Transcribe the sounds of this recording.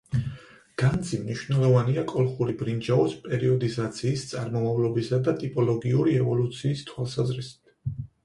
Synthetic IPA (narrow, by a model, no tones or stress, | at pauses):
ɡ̥and̪zimniʃvnɛlˠɔvaniakʼɔlˠχuɾibɾind͡ʒaɔspʼɛɾiɔd̪izat̪sʰiːst̪sʼaɾmɔmavlˠɔbisad̪at̪ʼipʼɔlˠɔɡiuɾiɛvɔlut̪sʰiːst̪ʰwalˠsazɾisi̥d̪̥